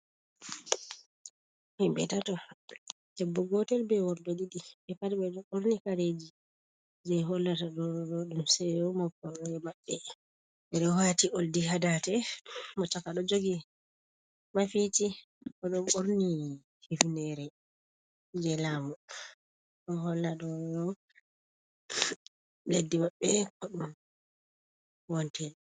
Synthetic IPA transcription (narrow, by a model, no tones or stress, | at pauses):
himbɛtatɔ | dɛbːɔɡɔtɛlbɛwɔɾdɔɗiɗiɓɛpatiɓɛɔʔoɾnikaɾed͡ʒi | d͡ʒɛɦɔlːataɗɔɔɗumsɛjɔmakːɔɛmaɓːɛ | ɛɗɔwatiʔoldiɦadatɛmɔt͡ʃakaɗɔd͡ʒoɡi | mafiti | ɔɗɔmoɾni | hifnɛɾɛ | d͡ʒɛlaːmu | ɗɔhɔlːaɗɔjɔ | ledːimaɓːɛkɔɗum | wɔntɛl